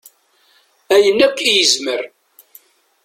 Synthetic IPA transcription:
æjənːækːijəzməɾ

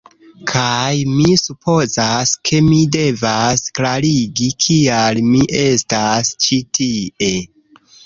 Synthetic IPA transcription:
kʰajmisupʰo̞zaskʰe̞mide̞vasklaɾiɡikʰialmiʔe̞stast͡ʃitʰie̞

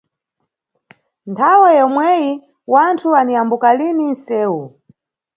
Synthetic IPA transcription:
ntʰawajɔmwɛji | wantʰuanijambukalinin̩sɛːwu

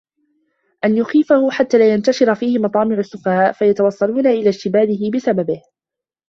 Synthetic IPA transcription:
ʔanjʊxiːfahʊħat̪ːaːlaːjant̪aʃɪɾafiːhɪmɑt̪ˤɑːmɪʕʊsːʊfahaːʔfajat̪awɑsˤːɑluːnaʔɪlaːʃt̪ɪbaːd̪ɪɦɪbɪsababɪh

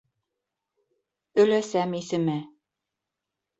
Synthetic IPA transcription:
ɵ̆læsæmisɘ̆mæ

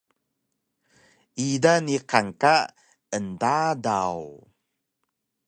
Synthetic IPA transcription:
idaniqaŋka | əndada̰w

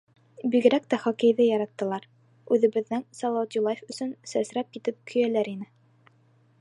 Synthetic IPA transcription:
biɡɘ̆ɾækt̪æχɒkɘ̆jðɘjɑɾɑt̪ːɤ̆lˠɑɾ | ʉðɘ̆βɘ̆ðːɘŋsɑlˠɑwɑt̪ulˠajefɵ̆sɵnsæsɾæp̚kit̪ɘp̚kʰɵ̆jælæɾinɘ

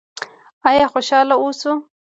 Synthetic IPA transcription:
ɑjɑxoʃɑlaosu

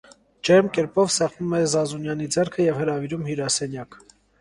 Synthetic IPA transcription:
d͡ʒɛɾmkɛɾpɔvsɑʁnumɛzɑzunjɑnid͡zɛɾkʰəjɛvhəɾɑviɾumhuɾɑsɛnjɑk

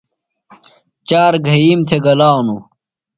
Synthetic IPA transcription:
t͡ɕaːɾɡʱɐjimt̪ʰeɡɐlaːnu

